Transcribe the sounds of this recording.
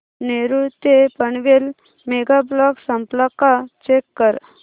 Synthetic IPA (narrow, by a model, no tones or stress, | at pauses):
neɾut̪epəɳʋel | meɡablɔksəmplakat͡ɕekːəɾ